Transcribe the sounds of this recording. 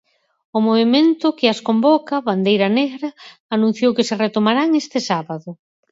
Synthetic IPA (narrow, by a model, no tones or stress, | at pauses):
ʊmoβement̪ʊkɪaskombɔkɐβand̪ejɾɐneɣɾɐːnũn̟θjowkɪseret̪omaɾaŋest̪ɪsaβaðʊ